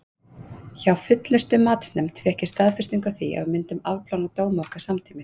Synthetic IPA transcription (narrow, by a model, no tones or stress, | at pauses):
çawfʏt̪lʏst̪ʏmaːt̪snɛmt̪ʰfjɛhcɪ̥st̪aːðfɪst̪iŋkawθia̰vmʏnt̪ʏmavpʰlawnat̪oːwmɔhkḁsamt̪ʰiːmɪs